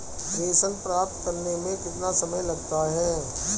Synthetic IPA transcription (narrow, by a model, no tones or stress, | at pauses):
d̪eːsənpɾaːp̚t̪kɐɾnemẽkɪt̪nasɐməjlɐɡt̪aɦɛː